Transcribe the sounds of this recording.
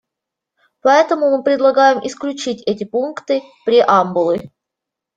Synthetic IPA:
pɐɛt̪əmʊmɨpɾʲɪd̪lˠɐɡajɪmʔɪsklʲʉt͡ɕitʲɛt̬ʲɪpunkt̪ɨ | pɾʲɪʔambʊlˠɨ

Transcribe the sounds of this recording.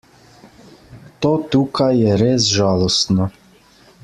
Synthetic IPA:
t̪oːt̪uːkajːɛɾeːsʒaːlɔst̪nɔ

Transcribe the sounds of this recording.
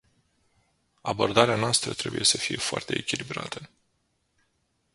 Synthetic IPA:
abo̞rd̪aɾeanoast̪ɾət̪ɾe̞buje̞səfije̞foa̰rt̪e̞ekʲilibɾa̰t̪ʰə

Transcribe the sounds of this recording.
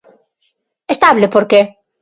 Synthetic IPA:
est̪aβlepoɾke

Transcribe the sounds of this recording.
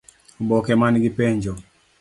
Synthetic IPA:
bɔkɛmanɡipeɲd͡ʒo

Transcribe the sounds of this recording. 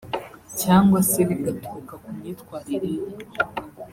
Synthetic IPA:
caːŋɡwaseβiɡatuukakumɲitkwaːɾiɾiɾe

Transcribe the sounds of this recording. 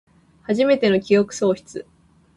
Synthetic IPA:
haʑime̞t̪e̞no̞kʲio̞kɯ̟̥so̞ːçi̥t͡sɨ

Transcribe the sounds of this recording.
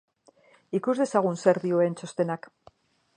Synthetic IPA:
ikuzðe̞saɣ̞unse̞ɾðio̞ent͡ʃo̞st̪e̞nak

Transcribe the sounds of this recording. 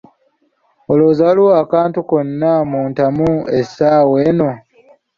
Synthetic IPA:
oloːzaluwakaːntukonːamuːntamuesaːwe̞ːno̞

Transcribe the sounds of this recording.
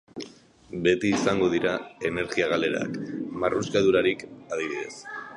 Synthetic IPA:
be̞t̪iːsaŋɡo̞ðiɾae̞ne̞ɾɣiaɣ̞ale̞ɾa̰kmaruskaðuɾaɾikað̞iβiðe̞s

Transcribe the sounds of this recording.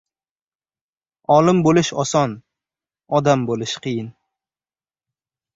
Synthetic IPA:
ɒlˠɪmbolɪʃɒsɒn | ɒd̪ambolˠɪʃqʰɨjɪn

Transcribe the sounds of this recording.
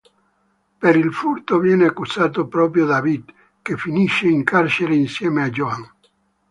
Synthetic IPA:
peɾilfuɾt̪ovjɛneakːusaːt̪opɾɔpɾjod̪avid̪ | kefiniʃeiŋkaɾt͡ʃeɾeinsjɛːmead͡ʒoaŋ

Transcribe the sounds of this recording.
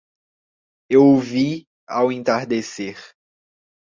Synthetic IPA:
ewovi | awẽnt̪aɾd̪eseɾ

